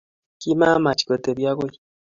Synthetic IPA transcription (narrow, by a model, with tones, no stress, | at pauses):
ki˦ma˦ma˨t͡ʃi̥˨ko˨te˨βja˦ɣo˦ji˦